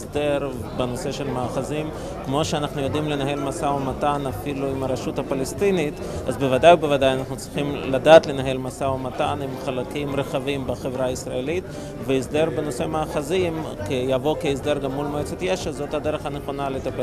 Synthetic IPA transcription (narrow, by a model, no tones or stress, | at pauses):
sdeɾ | beno̞se̞ʃe̞lmaːχazim | kmo̞ʃeanaχnujo̞dimle̞naɦe̞lmasaomatanafiluimaɾaʃuthapalest̪init | ʔa̰zbevadajubevadajanaχnut͡sʁiχimladaːt̪le̞naɦe̞lmasaomatanimχalakimʁeχavimbeχevʁaisʁaelit | veisde̞ɾbeno̞se̞maːχazimkejavo̞keisdeɾɡamːulmajot͡setjeʃezo̞thad̪e̞ɾeχhaneχo̞nalet̪ape